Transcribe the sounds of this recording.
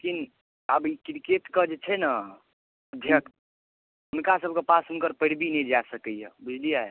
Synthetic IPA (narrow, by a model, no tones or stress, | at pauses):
lekin | əbikɾiket̪kəd͡ʒet͡ʃʰɛna | əd̪ʱjəkt̪ | ʊnkasəb̚ʱkepasɦʊnkəɾpəɽ̤binɛĩd͡ʒasəkəjɛ̰bud͡ʒʱlijae